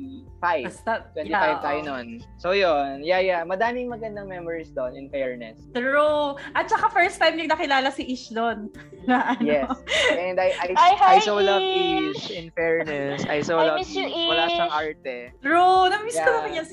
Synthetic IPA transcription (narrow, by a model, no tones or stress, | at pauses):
fajɐst̪ɐt̪wɛ̃nifajjvt̪aːjononsojonjajamɐd̪aːmɪŋmɐɡɐnd̪ɐŋmɛmɔɹisd̪onɪnfɛɹnɛst̪ɹuʔɐt̪̚t͡ʃɐkafɛɹst̪̚fajbjɪɹnɐkɪlaːlɐsiʔiʃd̪on | laʔɐnjɛɛnd̪ɐjʔajajsowlɐviʃɪnfɛɹnɛsʔa̰jsolɐwɐlaːʃɐʔaɹt̪ɛt̪ɹunɐmbisj̪omɐkɐɲɐn